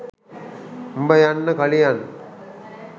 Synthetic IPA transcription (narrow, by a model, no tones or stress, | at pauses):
mbəjanːəkɐlijan